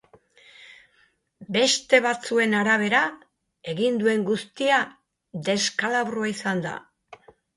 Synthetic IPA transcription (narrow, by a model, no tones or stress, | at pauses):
be̞st̪e̞βat͡sue̞naɾaβ̞e̞ɾa | e̞ɣind̪ue̞ŋɡust̪ia | d̪e̞skalaβroaisand̪a̰